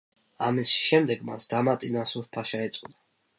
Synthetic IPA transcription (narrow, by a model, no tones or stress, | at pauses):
amisi̥ʃɛmd̪ɛɡma̰sd̪amat̪ʼinasupʰaʃaɛt̪sʼud̪a